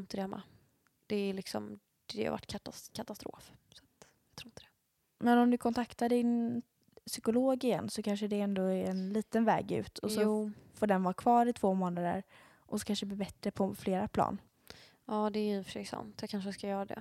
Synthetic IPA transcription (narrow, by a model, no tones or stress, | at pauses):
ɪnt̪əd̪ɛhɛmːa̰ | d̪̥ɛːlɪksɔ̰m | d̪̥ɛha̰va̰ʈːkʰat̪akʰat̪ast̪ɾo̰ːfsḁt̪ | jɑt̪ʰɾuːɪnt̪əd̪̥ɛ | mɛnɔmd̪ɵkʰɔnt̪ʰakt̪aɖɪn | sʏkʊloːɡɪjɛ̰nːsɔkʰanʂəɖɛɛnd̪oːæɾɛnliːt̪ənvɛ̰ːɡʉ̟̰ːt̪ʰɔsɔfoɖɛnvɑːkʰvɑːɾɪt̪ʰvoːmoːnad̪ə̰ɾ | ʔɔsɔ̥kʰanʂəd̪ɛblɪːbɛt̪ːɾəpʰɔfleːɾapʰlɑ̰ːn | ɑːd̪ɛæɾjʏfœʂɛjsa̰nt̪jɑkʰanʂəskajœːɾad̪ɛ̰